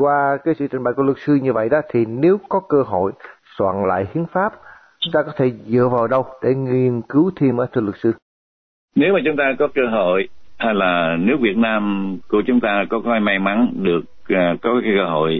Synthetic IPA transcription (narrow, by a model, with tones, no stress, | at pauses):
kwaː˧kaː˨˦jsɨ̰˧˨t͡ɕ̪i˨˩ŋ̟ɓaː˨jku˧˩lɨ˨˩k̚sɨ˧ɲɨ˧və̰˧˨jɗɔ˨˦t̪ʰi˨˩ne˨˦wkɔ˨˦kəː˧ɦo̰˧˨j | swa̰ː˧˨nla̰ː˧˨jhi˨˦ənfaː˦˥p̚t͡ɕʊ˨˦ŋ͡mt̪aː˧kɔ˨˦t̪ʰe˧˩zɨ̰˧˨əvaː˨˩wɗə˧wɗe˧˩ŋi˧ənkɨ˨˦wt̪ʰi˧mʔəː˧˩t̪ʰɨ˧əlɨ˨˩k̚sɨ˧ | ne˨˦wmaː˨˩t͡ɕʊ˨˦ŋ͡mt̪aː˧kɔ˨˦kəː˧ɦo̰˧˨jhaː˧jlaː˨˩n˧˦˥ək̚vi˨˩ət̚naː˧mku˧˩ət͡ɕʊ˨˦ŋ͡mt̪aː˧kɔ˨˦kɔ˧˦a˨˦jma˧jma˨˦nɗɨ˨˩ək̚ːkːɔ˨˦kaː˨˦jkəː˧ɦo̰˧˨j